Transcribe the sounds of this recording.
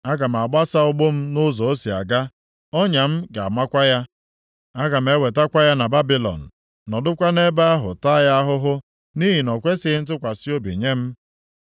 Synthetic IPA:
a˦ɡa˨m̩˨a˨ɡ͡ba˦sa˦ʊ˦ɡ͡bʊ˦m̩˦nʊ˦zɔ˨o˦si˨a̰˨ɡa˦ | o˦ɲa˨m̩˦ɡa˨a˨ma˦kʷa˦ja˦ | a˦ɡa˨m̩˨˦e˦we˨ta˦kʷa˦ja˦na˨ba˦bi˨lɔ̰˨n̩˨ | nɔ˨dʊ˦kʷa˦ne˦ba˦a˦ɦʊ˨ta˦ja˦a˦ɦʊ˦ɦʊ˦ | ni˦ɦi˨nɔ˨kʷe˦sɪ˦n̩˦t̬ʊ˦kʷa˨si˦o˦bḭ˨ɲe˦m̩˦

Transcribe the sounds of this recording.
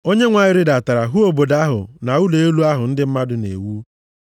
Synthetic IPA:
o˦ɲe˦ŋʷa˨ɲɪ˦ɾɪ˦da˨ta˨ɾa˨ɦu˦o˨bo˨da˦ɦʊ̰˨na˨u˦le˨e˦lu˦a˦ɦʊ˨n̩˦dɪ˦m̩˦ma˦dʊ˨nḛ˨wu˦

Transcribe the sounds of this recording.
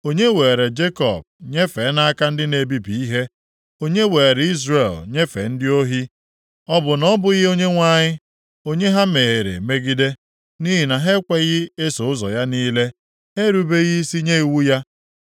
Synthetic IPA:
o˦ɲe˦we˨ɾe˨d͡ʒe˦kɔ̰˨b̚ɲe˦fe˨˦na˦a˦ka˦n̩˦dɪ˦ne˨bi˦pi˨i˦ɦe˦ | o˦ɲe˦we˨e˨ɾe˨i˦zre˨lɲe˦fḛ˨n̩˦dɪ˦o˦ɦi˦ | ɔ˦bʊ˨nɔ˦bʊ˨ɣɪ˦o˦ɲe˦ŋʷa˦˨ɲɪ˦ | o˦ɲe˦ɦa˦me˨e˨ɾḛ˨me˦ɡi˦de˦ | ni˦ɦi˨na˨ɦe˦kʷe˦ɣɪ˦e˦so˨ʊ˦zɔ̰˨ja˦niː˦le˦ | ɦe˦ɾu˨be˦ɣi˦si˦ɲe˦i˨wu˦ja˦

